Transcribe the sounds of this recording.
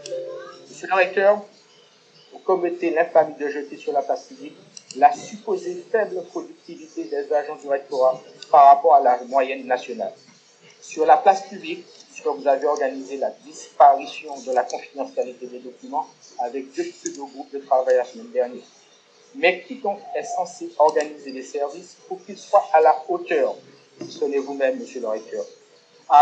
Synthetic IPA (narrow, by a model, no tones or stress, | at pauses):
məsjøliʁɛk̚t̪œʁ | vukɔmet̪elɛ̃famid̪əʒət̪esyʁlaplaspyblik | lasypozefɛbləpχod̪yk̚t̪ivit̪ed̪ɛzaʒɑ̃d̪iʁɛk̚t̪oʁapaʁːapɔʁalamwajɛnːasjɔna̰l | syʁlaplaspyblik̚piskəvuzaveɔʁɡanizelad̪ispaʁisjɔ̃d̪əlakɔ̃fid̪ɑ̃sjalit̪ed̪ɛd̪ɔkʲymɑ̃avɛk̚d̪øpised̪oɡʁup̚d̪ət̪χavajlasəmɛnd̪ɛʁnjɛːʁ | mɛkʲikɔ̃kɛsɑ̃seɔʁɡanizelɛsɛʁvispuʁkilswaʔalaot̪œʁ | sisɔnevumɛmːəsjøləʁɛkt̪œːʁ